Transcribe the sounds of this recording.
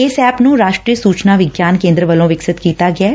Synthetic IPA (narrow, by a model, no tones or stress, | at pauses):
ɪsɛːpnũːɾaːʃʈɾiːəsuːt͡ʃnaːʋɪɡjaːnkẽːnd̪ɾəʋəlõːʋɪksɪt̪kiːt̪aːɡɪɛː